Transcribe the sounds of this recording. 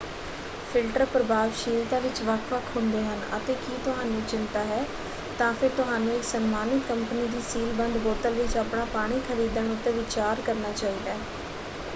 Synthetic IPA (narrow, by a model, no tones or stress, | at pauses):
pʰɪlʈəɾpɾəbaːʋʃiːlt̪ãːʋɪt͡ʃʋəkʰʋəkʰɦʊ̃nd̪eːɦənə̰t̪eːkiːt̪ʊɦaːnũːt͡ʃɪnt̪aːɦɛː | t̪ãːpʰɪɾt̪ʊɦaːnũːɪksənmaːnɪt̪kəmpəniːd̪iːsiːlbənd̪boːʈ̪əlʋɪt͡ʃaːpɳaːpaːɽ̃iːkʰəɾiːd̪əɳʊt̪ːẽːʋɪt͡ʃaːɾkəɾnaːt͡ʃaːiːd̪aː